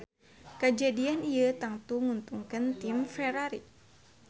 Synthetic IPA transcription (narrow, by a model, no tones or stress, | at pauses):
kəd͡ʒadianiət̪aŋt̪uŋunt̪uŋkənt̪imfɛɾaɾḭ